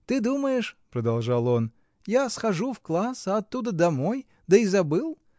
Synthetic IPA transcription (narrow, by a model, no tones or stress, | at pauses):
t̪ɨd̪uməjɪʂpɾəd̪ɐlˠʐɑlˠo̞n | jasxɐʐufklˠasəɐt̪ːud̪əd̪ɐmo̞j | d̪əizɐbɨlˠ